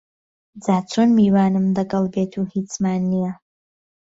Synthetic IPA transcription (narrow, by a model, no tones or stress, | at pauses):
d͡zaːt͡sʰoːnmiːwaːnɨmd̪ɐɡɐlˠbeːt̪ʰuhiːt͡smaːnːijɐ